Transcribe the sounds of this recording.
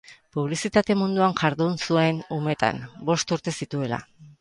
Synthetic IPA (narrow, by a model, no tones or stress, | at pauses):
puβ̞lisit̪at̪e̞mund̪uaŋʝaɾðunsue̞nume̞t̪a̰mbo̞st̪uɾt̪e̞sit̪ue̞la̰